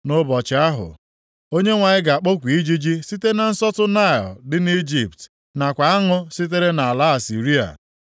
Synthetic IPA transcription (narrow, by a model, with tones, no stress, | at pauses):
nʊ˦bɔ˨t͡ʃɪ˨˦a˦ɦʊ̰˨ | o˦ɲe˦ŋʷa˨ɲɪ˦ɡa˨a˨k͡po˦kʷi˦d͡ʒi˦d͡ʒi˦si˦te˦na˨n̩˦sɔ˦tʊ˦na˦˨ɔ̰˨dɪ˦ni˦d͡ʒi˨pt | na˨kʷa˨a˦ŋʊ˦si˦t̬e˦ɾe˦na˨a˨la˦a˨si˨ɾi˦a̰˨